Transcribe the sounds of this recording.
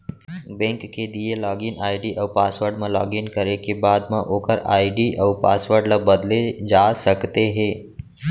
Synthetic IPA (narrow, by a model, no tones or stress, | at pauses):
bɛ̃ːŋkːed̪ielɔːɡɪnaːɪɖiʔɔːpaːsʋəɾɖmãlɔ̰ːɡɪnkəɾekebaːd̪mãʔoːkəɾa̰ːiɖiʔɐʋpaːsʋəɾɖlabɐd̪led͡ʒaːsɐkt̪eɦɛ̃ː